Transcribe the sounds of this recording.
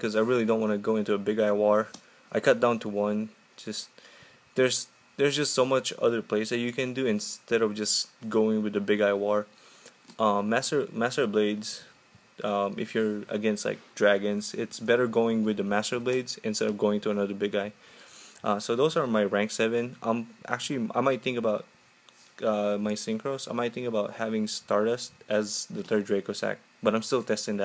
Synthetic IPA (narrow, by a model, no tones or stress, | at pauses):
kʰʌzaɪɹɪlˠidõʊ̃nʔwɑ̃nɨɡoʊɪ̃ntuəbɪɡaɪwɔɹ | ʔaɪkʰʌt̚d̥ãʊ̃ntʰəwʌ̃n̥ | d͡ʒʌst | ðə˞z | ðə˞zd͡ʒʌstsoʊmʌt͡ʃʌ̰ðə˞pʰl̥eɪsðɨt͡ʃɨkɨ̃ndɨɨ̃nstɛɾʌvd͡ʒʌsɡ̥oʊɪ̃ŋwɨðɨbɪɡaɪwɔɹ | ʔʌ̃mːæstə˞mæstə˞bleɪdz̥ | ʔʌ̃mɨfjə˞ɨ̰ɡɛ̃nstla̰ɪk̚d̥ɹæɡɨ̃nzɪtsbɛɾə˞ɡoʊɪ̃ŋwɨðəmæstə˞bleɪdz̥ɨ̃nstɛɾʌvɡoʊɪ̃ŋtuənʌðə˞bɪɡaɪ | ʔʌsoʊðoʊzə˞maɪɹæ̃ŋksɛvɨ̃nʔã̰ɪ̃mʔæ̰k̚t͡ʃʉl̩ˠiʔa̰ɪmaɪt̪̚θɪ̃ŋkəbaʊt̚ | ʌmaɪsɪ̃ŋkʰɹoʊsaɪmaɪt̪θɪ̃ŋkəbaʊt̚hævɪ̃ŋstɑɹɾəstʔɨzðəθɜ˞d̚ɹeɪkosæ̰k̚ | b̥ʌɾãɪmstɪlˠtʰɛstɪ̃ŋðæt̚